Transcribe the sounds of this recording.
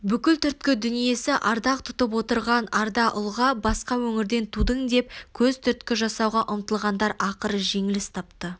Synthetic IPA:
bʏkʲɪlt̪ʰʏɾt̪̚kʲɪd̪ʏnije̞sɪʔɑɾd̪ɑq̚t̪ʰʊ̥t̪əp̬wo̞t̪əɾʁɑnɑɾd̪ɑʔʊlˠʁɑbɑsqɑwɵŋɪɾd̪e̞nt̪ʰud̪əŋd̪e̞p̚kʲʰɵzt̪ʰʏɾt̪kʲɪʒɑsɑwʁɑʔʊmt̪əlˠʁɑnd̪ɑɾɑqəɾəʒe̞ŋɪlɪst̪ʰɑp̚t̪ə

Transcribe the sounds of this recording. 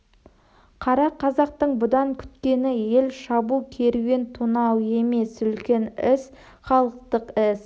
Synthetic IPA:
qʰɑɾɑqʰːɑzɑqt̪əɴbʊd̪ɑŋkʲʰʏ̥t̪kʲe̞nɪje̞lʃɑbukʲʰe̞ɾuɡʲe̞nt̪ʰunɑwe̞me̞sʏlkʲe̞nɪs | χɑlˠəq̚t̪əqɪs

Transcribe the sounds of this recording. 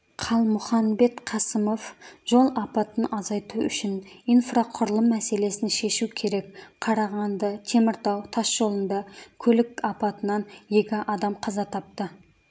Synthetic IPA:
qʰɑlˠmʊχɑnbe̞t̪qʰɑsəmo̞fʒo̞lˠɑpɑt̪ənʔɑzɑjt̪uʏ̰ʃɪnijnfraqʰʊɾəlˠəmːæse̞le̞sɪnʃe̞ʃukʲʰe̞ɾe̞kqʰɑɾɑʁɑnd̪ət̪ʰe̞mɪɾt̪ɑwt̪ʰɑsʒ̥o̞lˠənd̪ɑkʲʰɵlɪkɑpɑt̪ənɑnje̞kʲɪʔɑd̪ɑmqʰɑzɑt̪ʰɑp̚t̪ə

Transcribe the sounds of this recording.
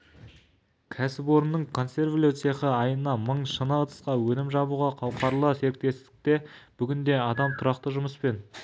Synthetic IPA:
kʲʰæsɪpo̞ɾənːəɴkʰo̞nse̞rvlʲot̪seχəɑjənɑməɴʃənɑt̪ʰə̥sqɑwɵnɪmʒɑbuʁɑqʰɑwqʰɑɾlˠəse̞ɾɪk̚t̪e̞st̪ɪ̥k̚t̪e̞b̥ʏɡʲɪnd̪e̞ɑd̪ɑmt̪ʰʊɾɑqt̪əʒʊməspe̞n

